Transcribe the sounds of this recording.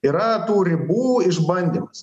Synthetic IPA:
iɾɐt̪uːɾʲɪbuːɪʃbɐnʲd̪ʲimɐs

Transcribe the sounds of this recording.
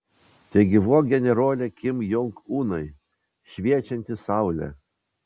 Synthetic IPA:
t̪ʲɛɡʲɪʋuɔɡʲɛnʲɛɾoːlʲɛkʲɪmjʊŋkuːnɐɪ | ʃʲʋʲiɛt͡ʃʲɛnʲt̪ʲɪsɑˑʊlʲɛ̰

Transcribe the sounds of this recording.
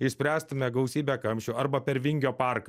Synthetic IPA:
ɪsʲpʲɾʲæːst̪ʊmʲɛɡɐʊsʲiːbʲækɐmʲʃʲɛɐɾbɐpʲɛɾʋʲɪŋʲɡʲoːpɑˑɾkɐ

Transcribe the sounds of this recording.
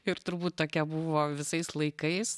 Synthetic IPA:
ɪɾt̪ʊɾbuːt̪̚t̪oːkʲɛbuʋoːʋʲɪsɐɪslˠɐɪkɐɪs

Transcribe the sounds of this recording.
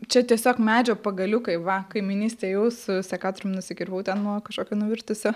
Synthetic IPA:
t͡ʃʲɛt̪ʲiɛsʲoːkmʲæːd͡ʒʲoːpɐɡɐlʲʊkɐɪʋɐkɐɪmʲɪnʲiːsʲt̪ʲeːjɛʊsʊsʲɛkɑːt̪ʊɾʲʊmnʊsʲɪkʲɪɾʋɐʊt̪ʲɛnnuɔkɐʃkoːkʲonʊʋʲɪrʲt̪ʊsʲʊ

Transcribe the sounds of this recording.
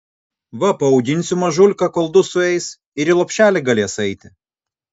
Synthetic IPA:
ʋɐpɐɔʊɡʲɪnʲˑsʲʊmɐʒʊlʲkɐkɔlˠd̪ʊsʊɛɪs | ɪɾilˠɔpʲʃʲæːlʲɪɡɐlʲeɛsɐɪt̪ʲɪ

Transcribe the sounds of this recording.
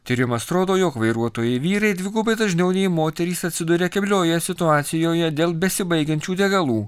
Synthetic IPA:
t̪ʲiːɾʲɪmɐst̪ɾoːd̪oːjoːkʋɐɪɾuɔt̪oːjɛɪʋʲiːɾɐɪd̪ʲʋʲɪɡuːbɐɪd̪ɐʒʲnʲɛʊnʲɛɪmoːt̪ʲɛɾʲiːsɐt̪ʲsʲɪd̪ʊɾʲekʲɛbʲlʲoːjɛsʲɪt̪ʊɑːt̪sʲɪjoːjɛd̪ʲeːlˠbʲɛsʲɪbɐɪɡʲɛnʲt͡ʃʲuːd̪ʲɛɡɐlˠuː

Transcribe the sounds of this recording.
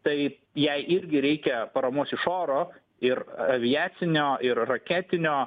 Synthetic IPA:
t̪ɐɪ | jɛɪʔɪɾʲɡʲɪɾʲɛɪkʲɛpɐɾɐmuɔsɪʃoːɾoː | ɪɾɐʋʲɪjæːt̪sʲɪnʲoːɪɾrɐkʲæːt̪ʲɪnʲoː

